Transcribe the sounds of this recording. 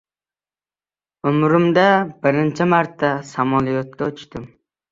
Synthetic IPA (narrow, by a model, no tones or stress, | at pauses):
ʊmɾɪmd̪abɪɾɪnt͡ʃʰɪmaɾt̪ːasamɒlˠijɒt̪̚kʲaʊt͡ʃt̪ɪm